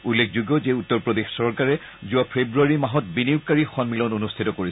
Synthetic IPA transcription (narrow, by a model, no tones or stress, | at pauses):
ulːekʰzuɡjɔzeutːɔɹpɹodexsɔɹkaɹɛ | zuapʰebɹuaɹimaɦɔt̚biniwkːaɹixɔnmilɔnonustʰitɔkoɹisɛ